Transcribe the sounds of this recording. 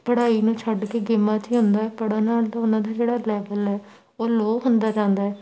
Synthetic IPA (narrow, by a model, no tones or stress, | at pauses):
pəɽaːiːnũːt͡ʃʰəɖkeːɡɪmːãːt͡ʃiɦʊ̃nd̪aːɛːpəɽaːnaːlt̪ãːʊnãːd̪aːd͡ʒeːɽaːlɛːbəlɛː | oːloːɦʊnd̪aːd͡ʒãːnd̪aːɦɛː